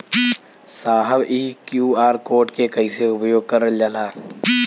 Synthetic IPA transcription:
saːɦəbiːkjuːaːɾkoːɾʈkekəĩseʊpəjoːɡ̚kəɾəd͡ʒalaː

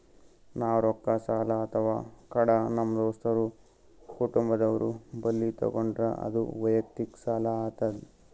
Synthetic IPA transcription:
naːɾɔkːɐsaːlɐːt̪ʰɐʋaːkɐɽɐnɐmːɐd̪oːst̪ɐɾu | kuʈumbɐd̪ɐʋɐɾubɐlːit̪ɔ̰ɡoɳɖɾɐ̰ɐ̰d̪ṵʋɐjɐk̚t̪iksaːlɐat̪ːɐd̪i

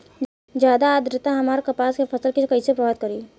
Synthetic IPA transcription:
d͡ʒjaːd̪aːd̪ɾɪt̪aɦɐmaːɾkɐpaːskepʰɐsəlkikɐisepɾɐʋt̪̚kɐɾiː

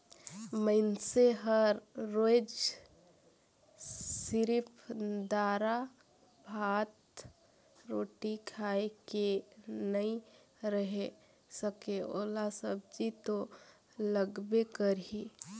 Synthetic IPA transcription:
məɪnseɦəɾːod͡ʒ | siɾipʰd̪aɾa | bʱat̪ | ɾoːʈikʰaekenəĩ | ɾəɦe | səkeo̰ːlasəb̚d͡ʒit̪o | ləɡbekəɾɦi

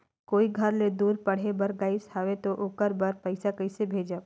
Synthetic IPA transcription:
koːiɡʱəɾled̪uːɾpɐɽ̤ebɐɾɡaːɪshaːʋet̪oʔokəɾbɐɾpɐɪsakɐɪsebʱeːd͡ʒa

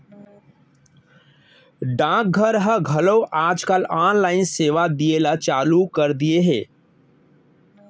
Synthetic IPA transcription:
ɖãːk̚ɡʱəɾɦəɡʱəloʔaːd͡ʒkalaːnlaːɪnseːʋad̪ielat͡ʃaːlukəɾd̪ieɦeː

